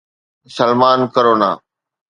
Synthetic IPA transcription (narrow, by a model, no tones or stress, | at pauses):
səlmaːnkəɾoːna̰ː